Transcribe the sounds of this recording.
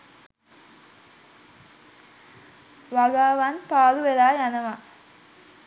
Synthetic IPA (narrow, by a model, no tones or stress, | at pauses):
ʋaɡaːʋanpaːluʋeɾaːjanɐʋa